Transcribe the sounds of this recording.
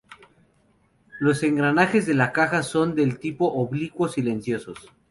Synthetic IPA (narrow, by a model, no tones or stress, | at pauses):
lo̞se̞ŋɡɾanaxe̞zðe̞lakaxaso̞nd̪e̞lt̪ipo̞ʔoβlikwo̞sile̞nsjo̞so̞s